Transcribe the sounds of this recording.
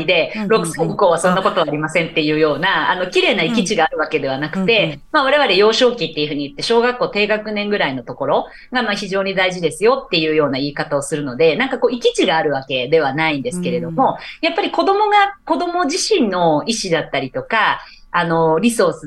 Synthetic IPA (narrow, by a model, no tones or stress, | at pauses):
id̪e̞ɾo̞kɯ̟̥saɯ̟ko̞ːβasõ̞nːako̞t̪oaːɾʲimasẽ̞nt̪ːe̞jɯ̟ːjo̞ːnaano̞kʲiɾe̞ːnaikʲit͡ɕiɡaːɾɯ̟βake̞d̪e̞βanakɯ̟̥t̪e̞maβaɾe̞βaɾe̞jo̞ːɕo̞ːkʲit̪ːeiɯ̟ɸɯ̟ɲ̟iɯ̟t̪ːe̞ɕo̞ːɡakːo̞ːt̪e̞ːɡakɯ̟nẽ̞ŋɡɯ̟ɾaino̞t̪o̞ko̞ɾo̞ | ɡamaçiʑo̞ːɲ̟id̪aiʑid̪e̞sɨjo̞t̪ːe̞jɯ̟ːjo̞ːnaiːkat̪ao̞sɨɾɯ̟no̞d̪e̞nãŋkako̞ːikʲit͡ɕiɡaːɾɯ̟β̞ake̞d̪e̞β̞anaĩnd̪e̞sɨ̥ke̞ɾe̞d̪o̞mo̞japːaɾʲiko̞d̪o̞mo̞ɡako̞d̪o̞mo̞ʑiɕĩnːo̞iɕid̪at̪ːaɾʲit̪o̞kaː | no̞ɾʲiso̞sɨ